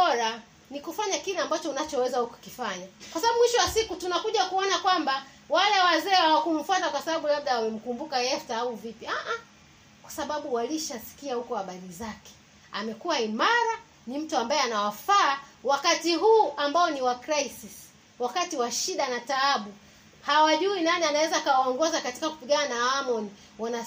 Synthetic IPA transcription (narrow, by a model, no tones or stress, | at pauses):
ɔɾa | nikufaɲakilɛambat͡ʃɔunat͡ʃɔwɛzahuku̥kifaɲakwasaɓaɓumwiʃɔwasikutunakuʄakuɔnakwamba | walɛwazɛːhawakum̩fatakwasaɓaɓulaɓ̚ɗaːmɛm̩kumbukaɛftaauvipjiaʔa | kwḁsaɓaɓuwaliʃasi̥kiahukɔhaɓaɾizakɛ̥ | a̰mɛkuwaimaɾa | nim̩tuambaɛanawafaːwakatiɦuːʔambaɔniwakɾaisis | wakatiwaʃiɗanataaɓu | hawaʄuinanianawɛzaːkawaɔŋɡɔzakati̥kaku̥piɠananaamɔni | wana